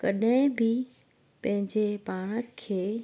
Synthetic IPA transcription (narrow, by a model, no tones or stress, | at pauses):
kɐɗɦɪ̃bɪ | pɐ̃ɦɪ̃ɲd͡ʑepaːɽ̃əkʰeː